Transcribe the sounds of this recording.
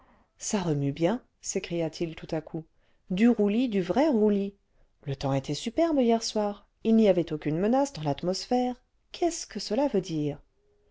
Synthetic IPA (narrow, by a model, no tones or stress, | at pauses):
saʁəmybjɛ̃ | sekχijat̪ʰilt̪ut̪akʰu | d̪yʁulid̪yvʁɛʁuli | lət̪ɑ̃et̪ʰɛsypɛʁbjɛʁswaːʁ | ilniavɛt̪okʲynmənasd̪ɑ̃lat̪mɔsfɛːʁ | kʲʰɛskəsəlavød̪iːʁ